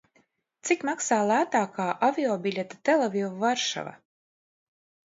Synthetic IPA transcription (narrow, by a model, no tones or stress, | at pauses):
t̪sikmaksaːlˠæːt̪aːkaːʔavʲiɔːbʲilʲet̪ḁt̪ɛlˠavʲivvaɾʃa̰va̰